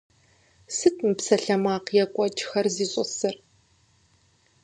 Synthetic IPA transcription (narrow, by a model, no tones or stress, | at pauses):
sɨtʰmɨpsɐɬɐmaːqjɛkʷʼɔd͡ʒʼxɐrziːɕʼɔ̰sɨr